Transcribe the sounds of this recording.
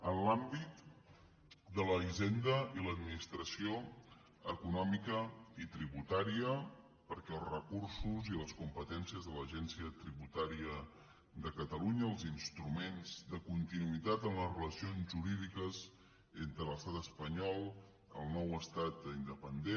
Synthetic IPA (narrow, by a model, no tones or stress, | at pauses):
ənlambit̪ | d̪ələiʒend̪əiləd̪minist̪ɾəsio | əkunɔmikəit̪ɾiβut̪aɾiə | pəɾkɛəlˠzrəkuɾsuziləskumpət̪ɛnsiəzðələʒɛnsiət̪ɾiβut̪aɾiə | d̪əkət̪əluɲəːlˠzinst̪ɾumenzd̪əkunt̪inuit̪at̪əmləzrələsionzʒuɾiðikəz | ent̪ɾələst̪at̪əspəɲɔlˠ | əlˠnɔwəst̪at̪ind̪əpənd̪e